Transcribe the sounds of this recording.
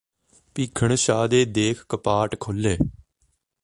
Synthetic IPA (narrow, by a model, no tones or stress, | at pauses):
piːkʰəɳʃaːd̪eːd̪eːkʰkəpaːʈkʰolːeː